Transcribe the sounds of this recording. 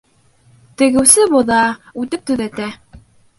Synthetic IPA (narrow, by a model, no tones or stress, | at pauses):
t̪ɘ̆ɣɘ̆wsɘbŏðɑʉt̪ɘp̚t̪ɵ̆ðæt̪æ